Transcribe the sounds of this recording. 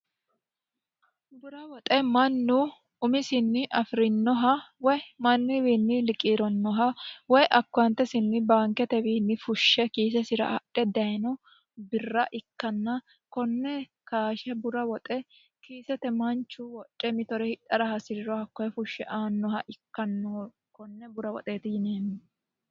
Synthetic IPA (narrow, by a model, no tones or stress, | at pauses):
bʊɾɐwɔt̪ʼɛmɐnːʊ | ʊmɪsɪnːɪʔɐfɾɪnːɔɦɐwɔjmɐnːɪwiːnːɪlɪkʼiːɾɔnːɔɦɐwɔjʔɐkːɔɐnt̪ːɛsɪnːɪbaːŋkɛt̪ɛwiːnːɪfʊʃːɛkiːsɛsɪɾɐ̰ɐɗɛd̪ɐjnɔ | bɪrːɐʔɪkːɐnːɐ | kɔnːɛ | kaːʃɛbʊɾɐwɔt̪ʼɛ | kiːsɛt̪ɛmɐnt͡ʃːʊwɔt͡ʃʼːɛmɪt̪ɔɾɛhɪᶑɐɾɐhɐsɪɾɪɾɔhɐkːɔjɛfʊʃːɛ̰ʔaːnːɔhɐʔɪkːɐnːɔ | kɔnːɛbʊɾɐwɔ̰t̪ʼe̞ːt̪ɪjɪneːnːɪ